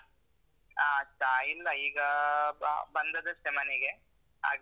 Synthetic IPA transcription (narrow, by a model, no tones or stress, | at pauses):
aːɐt͡ʃailːɐiːɡɐ | bɐnd̪ɐd̪esemɐneɡe | a̰ːɡ